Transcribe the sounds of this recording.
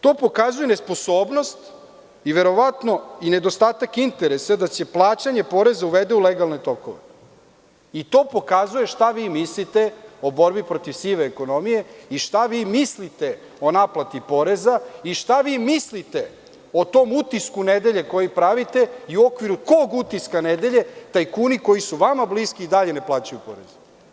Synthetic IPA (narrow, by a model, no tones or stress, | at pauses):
t̪o̞ːpo̞kazuje̞ne̞spo̞soːbno̞st̪ | iʋe̞ɾo̞ʋat̪no̞ine̞d̪o̞st̪aːt̪akint̪eɾesad̪at͡ɕe̞plˠaːt͡ɕaɲepo̞ɾe̞zauʋed̪euleɡalne̞t̪o̞ko̰ʋe | it̪o̞ːpo̞kazuje̞ʃt̪aʋiːmislit̪eobo̞ɾbipɾot̪iʋsiʋeːko̞no̞mije̞iʃt̪aʋiːmislit̪e̞ | o̞naplat̪ipo̞ɾezaiʃt̪aʋiːmislit̪e̞ | o̞t̪o̞mut̪iskuned̪e̞ʎe̞ko̞jipɾaʋit̪e̞iuo̞kʋiɾukoɡut̪iskaned̪e̞ʎe̞t̪ajkuːniko̞jisuʋamabliskiːd̪aʎe̞neplˠaːt͡ɕajupoɾeze